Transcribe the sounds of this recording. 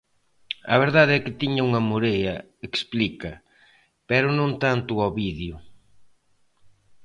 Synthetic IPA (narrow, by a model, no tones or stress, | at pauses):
ɐβeɾðaðeɛkɪt̪iɲauŋɐmuɾejɐ | eksplikɐ | pɛɾʊnõnt̪ant̪ʊɔβiðjʊ